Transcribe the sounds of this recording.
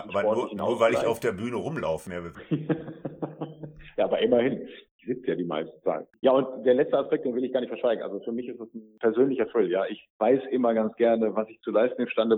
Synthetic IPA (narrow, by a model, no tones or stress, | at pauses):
ʔɪaːbɐnɔɐɐɪna̰uːɐvaɪlɪçaʊfd̥eːɐbyːnəʁʊmla̰ʊfən̩avɪ | jaːʔaːbɐʔɪmɐhɪnɪçz̥ɪt͡səjaːdiːma̰ɪstn̩t͡sa̰ːnjaːʊntd̥eːɐlɛt͡stəaspɛk̚d̥eːnvɪlɪçɡaːɐnɪçtfɛɐʃv̥aɪɡŋ̩ʔa̰lzofyːɐmɪçɪstd̥asn̩pʰɛɐzøːnlɪçɐfʁ̥ɪljaːʔɪçv̥aɪsʔɪmɐɡant͡sɡ̥ɛɐnəvasɪçt͡sulaɪstn̩ɪmʃtandə